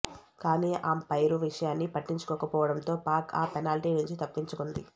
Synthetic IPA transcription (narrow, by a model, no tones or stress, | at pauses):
kaːniːʔaːmpɐjɾuʋiʂɐjaːnːipɐʈːiɲt͡ʃu̥kɔːkɐpɔːʋɐɽɐnt̪o̞ːpaːɾkʰa̰ːpɛnaːliʈiːnuɲt͡ʃit̪ɐpːiɲt͡ʃukund̪ḭ